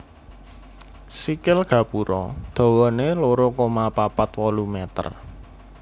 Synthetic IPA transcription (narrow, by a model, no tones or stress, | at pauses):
sikɪlɡ̥ä̤puɾɔd̪̥ɔ̤wɔneloɾokomapapat̪wɔlumɛt̪ə̰r